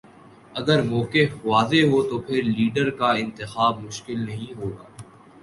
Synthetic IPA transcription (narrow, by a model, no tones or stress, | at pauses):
ɐɡəɾmɔːkefʋaːzeɦot̪opʰɪɾliːɖəɾkaɪ̃nt̪ɪxaːb̚mʊʃkɪlnɐɦĩɦoːɡaː